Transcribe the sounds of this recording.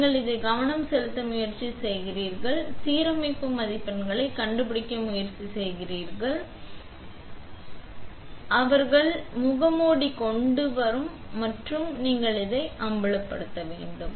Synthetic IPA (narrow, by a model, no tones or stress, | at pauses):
ŋɡɐɭɪðɐɪɡɐʋɐɳɐmsɛlɯt̪ːɐmʊjɐɾt͡ʃisɛjɣɪriːɾɣɐɭsiːɾɐmɪkːɯmːɐðɪpːɐnɡɐɭɐɪkːɐɳɖɯpɪɽɪkːɐmʊjɐɾt͡ʃisɛjɣɪriːɾɣɐɭ | ʔɐʋɐɾɣɐɭmʊɣɐmoːɽikɔɳɖɯʋɐɾɯmː | ɐʈrɯmniːŋɡɐɭɪðɐɪʔɐmbɐɭɐpːɐ̰ɽɯt̪ːɐʋeːɳɖɯm